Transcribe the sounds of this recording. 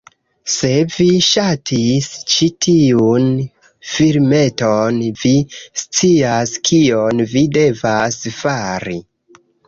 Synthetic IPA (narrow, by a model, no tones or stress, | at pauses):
se̞viʃatʰist͡ʃitʰiun | fiɾme̞tonvist͡siaskʰionvide̞vasfaɾi